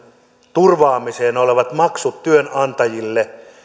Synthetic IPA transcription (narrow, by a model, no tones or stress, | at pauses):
t̪urʋɑːmiseːnoleʋɑt̪mɑksut̪tyønɑnt̪ɑjilːe